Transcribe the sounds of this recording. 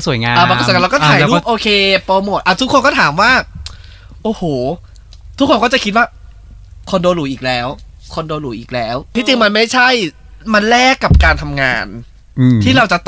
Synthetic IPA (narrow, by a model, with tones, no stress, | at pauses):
su˨˩˦jŋaː˧aː˧˩pːsa˧lːkɔː˥˦tʰaː˨˦˧ɾu˥˩p̚ʔoː˧kʰeː˧poː˧mo˨˩t̪ʔaː˧˩t̪ʰu˦˥kʰːo˧nkɔː˥˩t̪ʰaː˩˦mwaː˥˩ | ʔoː˧˩hoː˨˩ | t̪ʰu˦˥kʰːo˧kɔː˥˩t͡ɕa˨˩kʰi˦t̪̚waː˥˩ | kʰo˧ndoː˧luː˩˦ʔiː˨˩k̚lɛː˨˦˥w | kʰo˧ndoː˧nluː˩˦ʔiː˨˩k̚lɛː˦˥wt̪ʰiː˥˩t͡ɕi˧ŋma˧nma˥˩jt͡ɕʰa˥˩j | ma˧nlɛː˥˩kːa˨˩p̚kaː˧nt̪ʰa˧mŋaː˧nː˧ | t̪ʰiː˥˩ɾa˧wt͡ɕa˨˩t̪